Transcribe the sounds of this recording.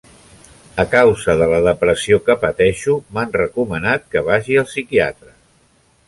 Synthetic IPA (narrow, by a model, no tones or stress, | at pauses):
əkawzəðələðəpɾəsiokəpət̪ɛʃumanrəkumənat̪̚kəβ̞aʒiəlˠsikia̰t̪ɾə